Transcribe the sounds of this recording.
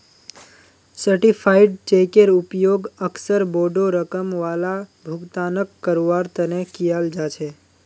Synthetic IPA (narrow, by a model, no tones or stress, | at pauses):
səɾʈipʰaiɖ̚t͡ʃekeɾupjoɡəksəɾboɖoɾəkəmʋalabʱuɡt̪anəkːəɾoʋaɾt̪ənekijald͡ʒat͡ʃʰe